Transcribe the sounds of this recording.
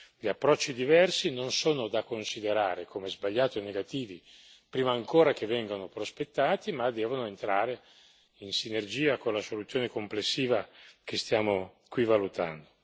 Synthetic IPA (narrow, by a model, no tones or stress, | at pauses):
ʎiapːɾɔt͡ʃːid̪ivɛrsinonsoːnod̪akonsid̪eɾaːɾekʰomezbaʎːaːt̪oenːeɡat̪iːvi | pɾiːmaːŋkoːɾakevːɛŋɡanopɾospet̪ːaːt̪imad̪ːɛːvonoent̪ɾaːɾe | insinerd͡ʒiːakonlasolut̪sjoːnekomplesːiːvak̟est̪jaːmo | kwivalut̪a̰nd̪o